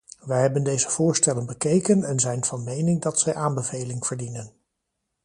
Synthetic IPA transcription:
ʋɛjɦɛbəndejzəv̥ʊːɹstɛlənbəkejkənɛnzɛjnv̥ɑnmejnɪŋdɑtsɛjʔaːnbəvejlɪŋv̥əɹdinən

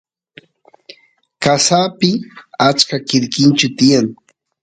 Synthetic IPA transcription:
kasaːpɪat͡ʃkakɪɾkɪnt͡ʃʊt̪ɪjaŋ

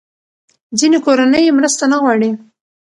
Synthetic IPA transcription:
d͡zinekoɾanəjemɾəst̪anaɣwɑɽi

